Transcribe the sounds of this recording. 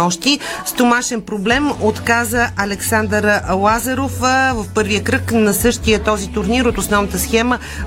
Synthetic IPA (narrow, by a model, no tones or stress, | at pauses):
ɔʃt̪ist̪omaʃɛnpɾoblɛmot̪kazəʔɐlɛksand̪əɾlˠazɐɾofvəfpɤɾviəkɾəknɐsɤʃt̪ijət̪ɔzit̪ʊɾniɾot̪osnɔvnət̪əsxɛmə